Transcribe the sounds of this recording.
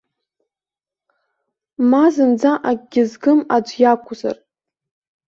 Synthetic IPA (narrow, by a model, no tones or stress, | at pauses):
mazɨnd͡zaʔaɡʲɪzɡɨmad͡ʒʷjakʷʰʼʊza̰r